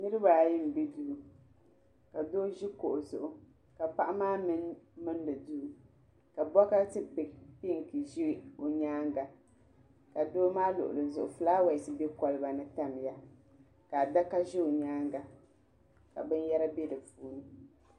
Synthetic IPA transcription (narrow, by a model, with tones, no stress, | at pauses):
nɨ˦ɾɨ˦ba˨ji˦m̩˨be˦duː˦˨ | ka˨doː˦ʒi˦ko˨ʔʊ˨zʊ˨ʔʊ˦ | ka˨pa˦ʔa˦maː˦m˦mɨ˦n˦dɨ˨duː˦˨ | ka˨bɔ˦ka˦tɨ˦pi˨pi˦ŋ˨ki˨ʒi˦o˨ɲaː˦ŋɡa˨ | ka˨doː˦maː˦lʊ̰˨ʔʊ̰˨lɨ˨zʊ˨ʔʊ˨fɨ˨˦laː˦wa˨sɨ˦be˦kɔ˨lɨ˦ba˨nɨ˦ta˦m˨ja˦ | ka˨da˦ka˦ʒi˦o˨ɲaː˦ŋɡa˨ | ka̰˨bɨ˦n˦jɛ˦ɾa˦be˦dɨ˨fuː˦nɨ˦